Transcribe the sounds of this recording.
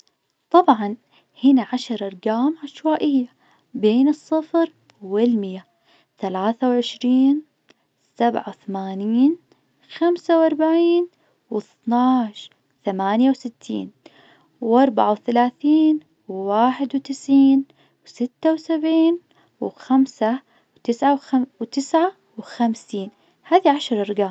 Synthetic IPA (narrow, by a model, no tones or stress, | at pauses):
t̪ˤɑbʕɑn | hɪnaʕaʃɑɾˤɑɾˤɡaːmʕaʃwaːʔɪjːa | beːnɨsˤːɨfɾ | wɪlmɪja | θalaːθawʕɪʃɾiːn | sabʕa̰wθamaːniːn | xamsawʔɑɾˤbaʕiːn | wɪθnaːʃ | θamaːnjawsɪt̪ʰːḭːn | wʔɑɾˤbaʕawθalaːθiːn | wːaːħɪd̪wt̪ɪsʕiːn | wsɪt̪ːawsabʕiːn | wxamsa | wt̪ɪsʕawawt̪ɪsʕa | wxamsiːn | haːðiʕaʃɾˤɑɾɪɡaː